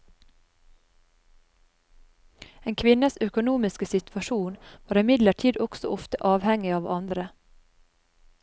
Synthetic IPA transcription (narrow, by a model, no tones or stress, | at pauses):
eːŋkʰʋɪnəsœkʊnuːmɪskəsɪt̪ʰʋɑʃuːnʋɑːɾɪmɪd̪ləʈʰiːd̪ɔksɔ̰ʔɔft̪əʔɑːʋhɛŋɪɑːʋɑnd̪ɾə